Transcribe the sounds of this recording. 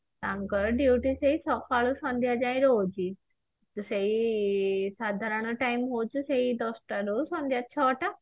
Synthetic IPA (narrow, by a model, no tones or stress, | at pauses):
t̪ãŋkəɾɖjuːʈiseit͡sʰɔkaːɭusɔ̃nd̪ʱjad͡ʒãːĩɾoːd͡ʑi | t̪usei | saːd̪ʱaɾəɳ̃ɔʈaːimɦoːt͡ʃuseid̪ɔsʈaɾosõnd̪ʱjat͡ɕʰɔːʈa